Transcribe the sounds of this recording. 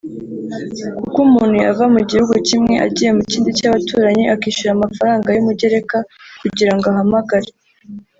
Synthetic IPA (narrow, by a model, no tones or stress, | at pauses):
kukumuːn̥huavamuɟihuɡucimŋe̞ʔa̰ɟiːje̞muciːndicaβatuːɾaɲiʔakiːʃuɾamafaɾaːŋɡajumuɟe̞ɾe̞kakuɟiɾaŋɡoaɦamaɡaɾe